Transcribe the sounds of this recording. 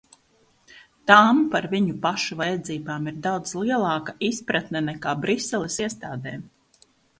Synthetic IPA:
t̪ampaɾviɲupaʃuvajɛd̪ziːbaːmiɾd̪awd̪zlˠiɛlˠɑːkaʔispɾat̪nɛnɛkaːbɾisːɛlˠɛsiɛst̪aːd̪ɛːm

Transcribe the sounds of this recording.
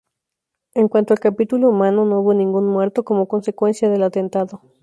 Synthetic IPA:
e̞ŋkwant̪oalkapit̪uloumãnonouβonĩŋɡunmwe̞ɾt̪o̞ko̞mo̞ko̞nse̞kwensjaðe̞lat̪e̞nt̪aðo

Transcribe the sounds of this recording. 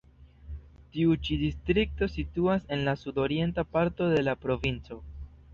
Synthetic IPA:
tiut͡ʃidistɾik̚to̞situase̞nlasudo̞ɾie̞ntapaɾto̞de̞lapɾo̞vint͡so̞

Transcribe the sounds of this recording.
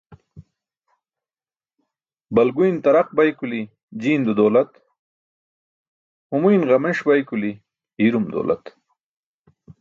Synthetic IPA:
bɐlɡujnt̪ɐɾaq̚bajkuli | d͡ʑiːnd̪ud̪oːlɐt̪ | humujnʁɐmeʂbajkuli | iɾumd̪o̰lʔɐ̰t̪

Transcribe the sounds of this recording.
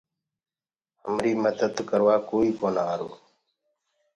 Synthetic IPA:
əmɾiːməd̪əd̪kəɾʋaːkoːiːkoːnaːaɾo̰ː

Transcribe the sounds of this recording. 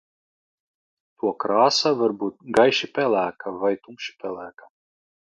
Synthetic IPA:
t̪ʰuɔkɾaːsavaɾbuːt̪̚ɡajʃipʲɛlʲˠæːkavajt̪umʃi̥pʲɛlˠæːkḁ

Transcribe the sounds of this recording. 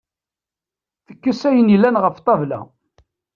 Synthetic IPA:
θəkːəsæjənilːænʁəft̪ˤɑvlæ̰

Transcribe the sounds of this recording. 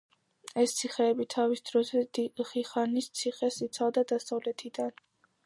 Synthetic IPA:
ɛst̪sʰiχɛːbit̪ʰavisd̪ɾɔzɛd̪iχiχanist̪sʰiχɛsit̪sʰavd̪ad̪asavlɛt̪ʰid̪an

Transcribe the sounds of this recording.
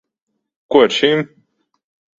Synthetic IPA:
kuɔiɾʃim

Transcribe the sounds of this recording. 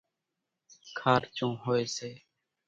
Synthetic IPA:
kʰaːɾt͡ʃõːɦoːeːseː

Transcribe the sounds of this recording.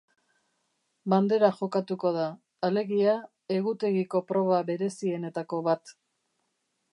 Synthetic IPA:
band̪e̞ɾaʝo̞kat̪uko̞ðaː | le̞ɣia | e̞ɣut̪e̞ɣiko̞pɾo̞β̞aβe̞ɾe̞sie̞ne̞t̪ako̞βat̪

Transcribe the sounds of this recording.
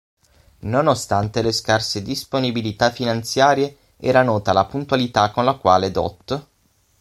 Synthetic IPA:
nonost̪ant̪eleskarsed̪isponibilit̪afːinant̪sjaːɾje | ɛ̰ːɾanɔːt̪alapunt̪walit̪akːonlakwa̰ːled̪ɔ̰t̪ː

